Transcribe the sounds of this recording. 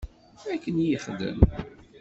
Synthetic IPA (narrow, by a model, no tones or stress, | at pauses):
ækːənjiχd̪ə̰m